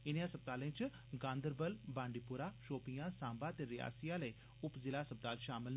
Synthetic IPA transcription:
ɪnjãːsəb̚d̪aːlẽːt͡ʃ | ɡãːnd̪əɾbəlbãːɳɖiːpʊɾaːʃoːpijãːsãːmbaːt̪eːɾɪja̰ːsijãːləiː | ʊpzɪlaːsəb̚d̪aːlʃaːmɪl

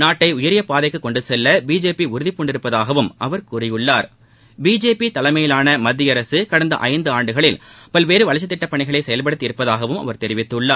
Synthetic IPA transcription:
naːʈːɐɪʊjɐɾɪjɐpaːðɐɪkːɯkːɔɳɖɯsɛlːɐbiːd͡ʒeːpiʊɾɯðɪpːʊɳɖɪɾɯpːɐðaːɣɐʋɯmʔɐʋɐɾkʊːrɪjɯɭːaːɾ | biːd͡ʒeːpit̪ɐlɐɪmɐejɪlaːnɐmɐd̪ːɪjɐɾɐsɯkɐɽɐnd̪ɐ̰ʔɐ̰ɪnd̪ɯaːɳɖɯɣɐɭɪlpɐlʋeːɾɯʋɐɭɐt͡ʃːɐt̪ːɪʈːɐpːɐɳɪɣɐɭɐɪsɛjɐlpɐɽɯt̪ːɪɾɯpːɐðaːɣɐʋɯmɐ̰ʋɐɾt̪ɛɾɪʋɪt̪ːɯɭːaː

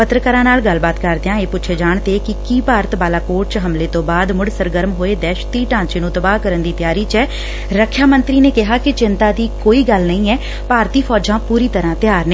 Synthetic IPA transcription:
pət̪ɾəkəɾãːnaːlɡəlbaːt̪kəɾd̪eãːeːpʊtːt͡ʃʰʃʰeːd͡ʒaːɳt̪eːkɪkiːpaːɾət̪baːlaːkoːɾʈ̚t͡ʃɦəmleːt̪õːbaːd̪mʊɖsəɾɡəɾmɦoːeːd̪ɛːʃt̪iːʈãːt͡ʃeːnũːt̪əbaːkəɾənd̪iːt̪ɪjaːɾiːt͡ʃɛː | ɾəkʰːjaːmənt̪ɾiːneːkɪɦaːkɪt͡ʃɪnt̪aːd̪iːkoːiːɡəlnəĩːɛː | paːɾt̪iːpʰɔːd͡ʒãːpuːɾiːt̪əɾãːt̪ɪjaːɾne

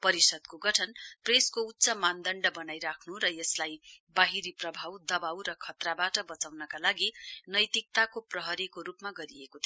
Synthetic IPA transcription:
pʌɾisʌd̪̚koɡʌʈʰʌnpreskoutːsʌmand̪ʌɳɖʌbʌnajɾakʰnuɾʌjeslajbaɦiɾiprʌbʱawd̪ʌbawɾʌkʰʌt̪rabaʈʌbʌt͡sawnʌkalaɡinʌjt̪ik̚t̪akoprʌɦʌɾikoɾupmaɡʌɾiekot̪ʰi

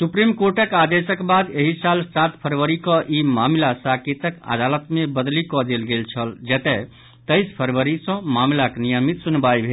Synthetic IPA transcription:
supɾimkoɾʈəkad̪esəkbad̪eɦisalsat̪pʰəɾʋəɾikɔ̃ʔimamlasakit̪əkə̰d̪alət̪mẽbəd̪likɔd̪elɡelt͡ʃʰəld͡ʒət̪ɛ | t̪əjspʰəɾʋəɾisə̃mamlaknijəmit̪sunbajbʱe

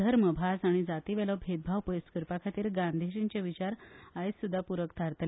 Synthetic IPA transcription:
əɾməbʱasaɽ̃id͡zat̪iʋɛləbʱed̪̚bʱaʋpəjskəɾpakʰat̪iːɾɡãnd̪ʱiɕiɲt͡ɕjaʋit͡ɕaɾajssud̪ʱːapuɾəkt̪ʰaɾt̪l

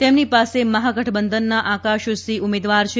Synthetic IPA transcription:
t̪emnipaseməɦaɡəʈʰbənd̪ənːaʔakaʃusiumed̪ʋaɾt͡ʃʰe

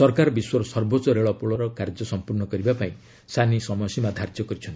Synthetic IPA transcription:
sɔɾkaɾɔbiswɔɾɔsɔɾbot͡ʃɔɾeɭɔpuɭɔɾɔkaɾd͡ʒjɔsɔmpuɾnɔkɔɾibapaĩ | sanisɔmɔsimad̪ʱaɾt̪jɔkɔɾit͡ʃʰɔnt̪i̥

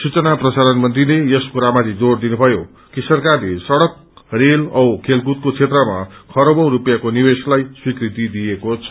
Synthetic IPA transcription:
sut͡sʌnaprʌsaɾʌnmʌnt̪rilejʌskuɾamat̪ʰid͡zord̪inubʱʌjo | kisʌrkarlesʌɽʌk̚ | relʌwkʰelkut̪̚kot͡sʰet̪rʌma̰kʰʌɾʌbʌ̃w̃ɾupjakonibeslajswikrit̪id̪ijekot͡sʰʌ̥

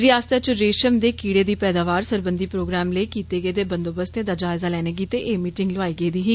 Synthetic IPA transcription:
ɾɪjaːst̪aːt͡ʃɾeːʃəmd̪eːkiːɽeːd̪iːpɛːd̪aːʋaːɾsəɾbənd̪iːpɾoːɡɾɛːmləikiːt̪eːɡəeːd̪eːbənd̪oːbəst̪ẽːd̪aːd͡ʒaːɪzaːlɛːneːɡiːt̪eːʔeːmiːʈɪŋɡlʊaːiːɡəiːd̪iːɦiː

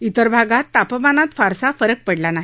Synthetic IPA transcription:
it̪əɾbʱaɡat̪ːapəmanat̪faɾsafəɾək̚pəɽlanaɦi

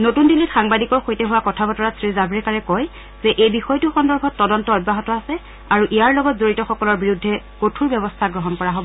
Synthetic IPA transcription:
notundilːitxaŋbadikɔɹxojtɛɦuwakɔtʰabɔtɔɹatsɹizabʱɹɛkaɹɛkɔj | z̥ɛʔejbixɔjtuxɔndɔɹbʱɔttːɔdɔntɔːd̚baɦɔtɔasɛ | aɹuʔijaɹlɔɡɔtzoɹitɔxɔkɔlɔɹbiɹudʱːɛ | kotʰuɹbjɔbɔstʰaɡɹɔɦɔnkɔɹaɦobɔ

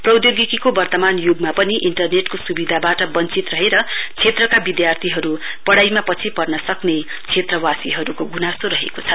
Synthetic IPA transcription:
prʌwd̪joɡikikobʌrt̪ʌmanjoɡmapʌniʔiɳʈʌrneʈkosubid̪ʱabaʈʌbʌnt͡sit̪rʌɦeɾʌt͡sʰet̪rʌkabid̪jart̪ʰiɦʌɾu | pʌɽajmapʌt͡sʰipʌrnʌsʌkne | t͡sʰet̪rʌwasiɦʌɾukoɡunasoɾʌɦḛkot͡sʰʌ

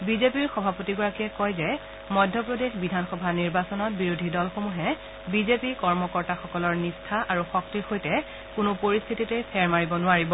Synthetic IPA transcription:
bizepiɹxɔbʱapotiɡɔɹakiɛkɔjzɛ | mɔdʱjɔpɹodexbidʱanxɔbʱaniɹbasɔnɔt̚biɹudʱidɔlxomuɦɛ | bizepikɔɹmɔkɔɹtaxɔkɔlɔɹnistʰaʔaɹuxɔk̚tixojtɛ | kʊnʊpoɹist̪ʰititɛjpʰɛɹmaɹibɔnʊaɹibɔ

